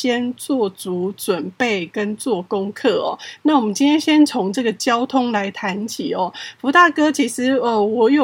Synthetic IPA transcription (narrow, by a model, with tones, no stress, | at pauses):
ɕjɛ˥nt͡swɔ˥˩t͡su˨˥t͡swə˨˩npe˥˩ɪkə˦nt͡swɔ˥˩kʊ˥ŋkʰɤ˥˩ɔ̰˨˩na˥˩wɔ˨˩mə˦nt͡ɕi˥nt̪jɛ˥nɕjɛ˥nt͡sʰʊ˧˥ŋʈ͡ʂɤ˥˩ɡə˨˩t͡ɕjɑ˥ʊt̪ʰʊ˥ŋla˧˦ɪt̪ʰa˧˦˥nt͡ɕʰi˨˩ɔ˨˦fu˧˥t̪a˥˩kɤ˥t͡ɕʰi˧˥ʂɻ̩˧˦ə˩wɔ˧˨˩jo˨˩